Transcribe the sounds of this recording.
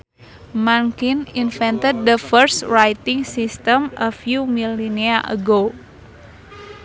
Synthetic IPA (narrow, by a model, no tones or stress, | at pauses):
maŋkininfɛnt̪əd̪̚dəfərsrajt̪iŋsist̪əmʔəfjumiliniaʔə̰ɡo